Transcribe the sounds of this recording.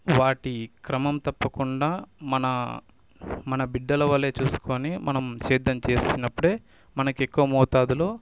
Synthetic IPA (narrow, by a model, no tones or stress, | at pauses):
ʋaːʈikɾɐmɐmt̪ɐpːɐkuɳɖaːmɐnɐ | mɐnɐbiɖːɐlɐʋɐlːeːt͡ʃuːsu̥ko̞ːnimɐnɐmʃɛːd̪ɐmt͡ʃe̞ːsinɐpːuɽe̞ː | mɐnɐkekːuʋɐmɔːt̪aːd̪ulo̞ː